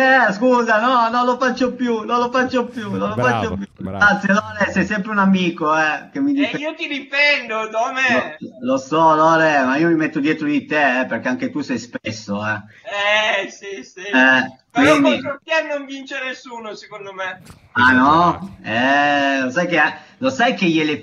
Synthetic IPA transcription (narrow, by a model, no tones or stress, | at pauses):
ɛskuːzanɔnolofat͡ʃːopjunõlofat͡ʃːopjunõnlofat͡ʃːopjuɡat̪sːjelɔːɾesɛjsɛmpɾeunamiːkoɛk̟emːid̪iiot̪iɾifɛnd̪od̪omelosɔlɔːɾemaiːomimet̪ːod̪jɛːt̪ɾod̪it̪eɛperk̟eaŋk̟et̪usɛjspesːoɛ | ɛsisiɛkpwind̪iɾot̪ɛnoɱvint͡ʃenesːuːnosekond̪ome | anɔɛlosajk̟ea | losajkejele